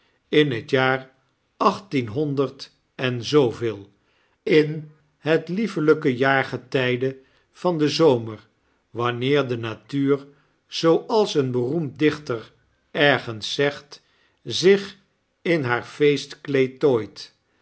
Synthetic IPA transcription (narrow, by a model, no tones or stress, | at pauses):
ɪnɦətjaːr | ɑχtinɦɔndəɹt | ɛnzowvɪːlˠ | ɪn | ɦətlifələkəjaːɹχətɛjdə | v̥ɑndəzowməɹ | ʋɑnɪːɹdənatyːɹ | z̥owʔɑlˠsənbərumdɪχtəɹ | ɛɹχənsːɛχt | zɪχ | ɪnɦaːɹfejstklejtoːjt